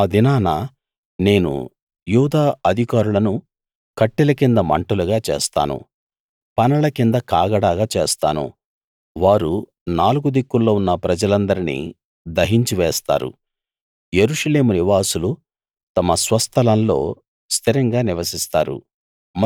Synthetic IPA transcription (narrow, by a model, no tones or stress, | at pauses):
d̪inaːnaː | ne̞ːnṵ | juːd̪aːɐd̪ʱikaːɾulɐnu | kɐʈːilɐkind̪ɐmɐ̰ɳʈuluɡaːt͡ʃḛːst̪a̰ːnṵ | pɐnɐlɐkind̪ɐkaːɡɐɽaːɡaːt͡ʃeːst̪a̰ːnṵ | ʋaːɾu | naːluɡud̪ikːulːoːunːɐpɾɐd͡ʒɐlɐnd̪ɐɾinḭ | d̪ɐɦiɲt͡ʃiʋɛːst̪a̰ːɾṵ | jeɾuʂɐle̞ːmuniʋaːsulu | t̪ɐmɐsʋɐst̪ʰɐlɐnlo̞̰ː | st̪ʰiɾɐŋɡaːniʋɐsist̪aːɾṵ | m